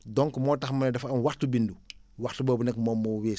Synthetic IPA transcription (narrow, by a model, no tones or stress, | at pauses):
dɔŋkmɔːtɐxmɐnɛdɐfɐmwaxtubinduwaxtubɔːbunɛkːmɔːmːɔːweː